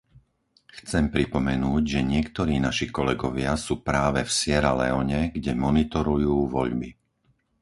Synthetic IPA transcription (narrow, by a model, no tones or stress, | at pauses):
xt͡sɛmpɾipɔmɛnuːɟʒɛɲɪɛkt̪ɔɾiːnaʃikɔlɛɡɔʋɪasuːpɾaːʋɛfsɪɛɾalɛ̰ɔɲɛɡɟɛmɔnit̪ɔɾujuːʋɔ̰ʎbi